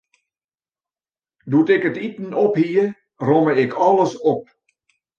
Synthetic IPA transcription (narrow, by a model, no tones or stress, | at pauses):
dutɪkətitn̩ɔphiə | rɔməɪkʰɔlˠəsɔp̚